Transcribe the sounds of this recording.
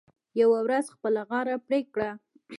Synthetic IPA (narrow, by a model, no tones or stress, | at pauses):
jawawɾazxpəlaɣɑɾapɾekɽa